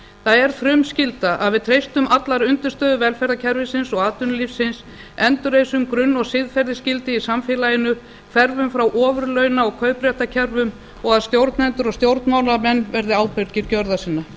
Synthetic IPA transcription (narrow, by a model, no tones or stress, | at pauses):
θaðɛɾ̥fɾʏmscɪlt̪aʔa̰ðvɪðt̪ʰɾejst̪ʏmʔat̪laɾʏnt̪ʏst̪œːðʏvɛlfɛɾðacʰɛɾvɪsɪnsɔɣaːt̪ʏnʏlifsɪns | ɛnt̪ʏɾeːjsʏmkɾʏnːɔɣsɪðfɛɾðɪscɪlt̪ɪisamfɪːlajɪnʏ | fɛɾvʏmfɾawʔɔːvʏɾlœɥnaɔɣkʰœɥpɾɛht̪acʰɛɾvʏm | ɔɣaðst̪jowɾt̪nɛnt̪ʏɾɔɣst̪jowɾt̪nmawnamɛnːvɛɾðɪaːwpɛɥɾciɾcœɾðasiːnːa